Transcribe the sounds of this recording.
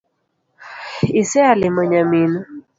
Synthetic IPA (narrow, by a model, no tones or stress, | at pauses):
isɛalɪmaɲaminu